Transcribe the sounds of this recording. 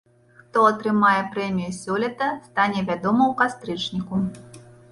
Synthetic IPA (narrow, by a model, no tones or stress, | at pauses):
xt̪ɔɐt̪ɾɨmajɛpɾɛmʲijusʲɔlʲɛt̪ɐst̪anʲɛvʲad̪ɔmɐwkast̪ɾɨt͡ʂnʲiku